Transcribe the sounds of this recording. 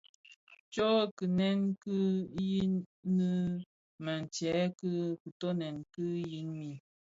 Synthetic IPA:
t͡ʃɔ˦kɨ˨nɛ˦nkɨ˦ji˦nɨ˦ | ma˨n˨t͡ʃɛ˨˦kɨ˦ku˨tɔ˦nɛ˨nkɨ˦ji˦nmi˨

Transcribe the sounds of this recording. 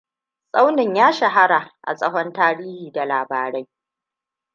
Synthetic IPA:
sʼa˦wnɪ˨ɲjaː˦ʃɐ˨ɦa˦ɽa˨ʔa̰˨sʼɐ˦ɦɔ˦ntaː˦ɽiː˦hiː˨da˨laː˨baː˨ɾa˦j

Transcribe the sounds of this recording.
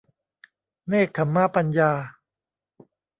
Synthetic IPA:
neː˥˩kʰːa˩˦mːaː˧˩pa˧njaː˧

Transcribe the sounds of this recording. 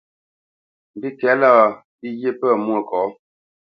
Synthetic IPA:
m̩˨bi˦kɛ˨˦la˦ | bi˦je˦pə˦˨mwo˨kɔː˨˦

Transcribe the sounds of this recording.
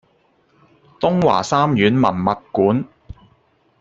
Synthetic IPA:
t̪ʊ˥ŋwa̰ː˨˩saː˥mjyː˨˥nmɐ̰˨˩nmɐ˨t̚kuː˨˥n

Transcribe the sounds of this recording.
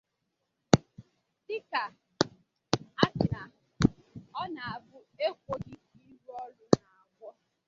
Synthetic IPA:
dɪ˦ka˨ | a˦t͡ʃɪ˨ɾa˨ɔ˦na˨a˨bʊ˦e˦kʷo˨ɡɪ˦i˦ɾu˦ɔ˦lʊ˦na˨a˨ɡʷɔ˦

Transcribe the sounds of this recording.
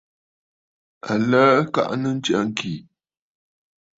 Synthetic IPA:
a˨ləː˦ka̰˦ʔnə˦n̩˦t͡ʃa̰˨˦ŋ˦kʰi˨

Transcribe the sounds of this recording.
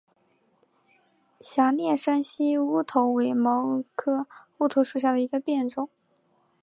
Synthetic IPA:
ɕja˧˥njɛ˥˩ʂə˥nɕi˥u˥t̪ʰo˧˥ʊwe˧˥ɪmo˧˥ʊkʰɤ˥u˥t̪ʰo˧˥ʂu˥˧˩ɕja˥˩d̪ə˩i˧˥ɡə˧pjɛ˥˩nʈ͡ʂʊ˥˩ŋ

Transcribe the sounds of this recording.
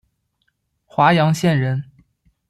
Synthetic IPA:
xwa˧˥jɑ˧˥ŋɕjɛ˥˩nɻə˧˥n

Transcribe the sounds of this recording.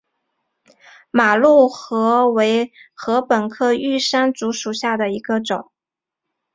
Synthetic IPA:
ma˨˩lu˥˩xɤ˧˥we˧˥ɪxɤ˧˥pə˨˩nkʰɤ˥˧y˥˩ʂa˥nt͡su˧˥ʂu˨˩ɕja˥˩d̪ə˩i˧˥ɡ̥ə˧ʈ͡ʂʊ˨˩˦ŋ

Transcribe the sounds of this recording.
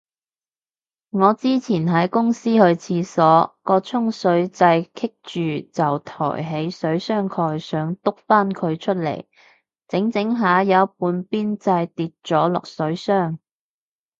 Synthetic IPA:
ŋɔː˨˧t͡siː˥t͡sʰiː˨˩nɦɐ˨˥jkʊ˥ŋsiː˥hɵ˧ɥt͡sʰiː˧sɔː˨˥kɔː˧t͡sʰʊ˥ŋsɵ˨˥ɥt͡sɐ˧jkʰɪ˥k̚t͡ʃyː˨t͡sɐ˨wt̪ʰɔ̰ː˨˩jɦe˨˥jsɵ˨˥ɥsœː˥ŋkʰɔː˧jsœː˨˥ŋt̪ʊ˥k̚faː˥nkʰɵ˨˧ɥt͡ʃʰɵ˥t̚lḛ˨˩j | t͡sɪ˨˥ŋt͡sɪ˨˥ŋɦaː˨˧˥jɐ˨˥puː˨˧npiː˥nt͡sɐ˧jt̪iː˧t̚t͡ʃɔː˨˥lʊ̰˨k̚sɵ˨˥ɥsœː˥ŋ

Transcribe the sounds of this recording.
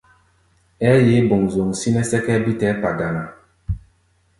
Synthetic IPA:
ɛ˦je˨˦bo˨ŋzo˨ŋ˨si˦nɛ˦sɛ˦kɛ˦bi˦tɛ˦pa˨ɡa˨na˨

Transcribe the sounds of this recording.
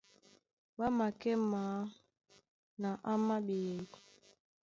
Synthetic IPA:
wa˦ma˨kɛ˦maː˨˦ | na˨ʔa˦ma˦ɓe˨kɔ˨

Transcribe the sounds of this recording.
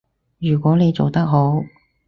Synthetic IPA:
jyː˨˩kʷɔː˨˥ne˨˧jt͡so˨wt̪ɐ˥k̚ɦo˨˥w

